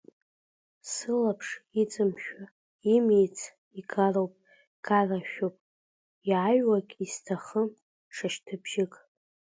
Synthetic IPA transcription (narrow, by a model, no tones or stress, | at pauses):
sɨlapʰʂit͡sʼɨmʃᶣa | imijt͡sʰ | iɡʰarowpʼ | ɡ̥araʃᶣowpʼ | iaɥwakʲʼistʰaχə | ʂaʃtʰɨbʒɪkʼ